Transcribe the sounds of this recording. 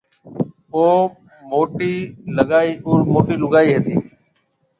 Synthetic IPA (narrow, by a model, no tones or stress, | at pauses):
oː | moːʈiːləɠaːiːʊːɾmoːʈiːlʊɠaːiːɦeːt̪ḭː